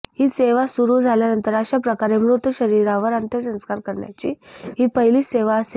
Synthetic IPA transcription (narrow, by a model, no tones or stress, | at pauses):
hiːseʋasuɾuːd͡zʱaljanənt̪əɾaʂapɾəkaɾemɾut̪əɕəɾiɾaʋəɾant̪əsə̃ñskaɾkəɾɳja̰t͡ɕḭːɦiːpəɦiliːseʋaəse